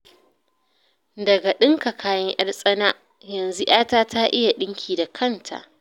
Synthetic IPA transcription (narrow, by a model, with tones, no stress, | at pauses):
dɐ˨ɡa˨ɗɪ˦ŋka˨kʰaː˨jɐ˦ŋʔɐ̰˦rsʼɐ˦na˦ʔ | jɐ˨nzu˦ʔaː˦taː˦tʰa˦ʔɪ˦ja˨ɗɪ˦ŋkʲʰiː˨da˨kʰɐ˦˨ntʰa̰˨ʔ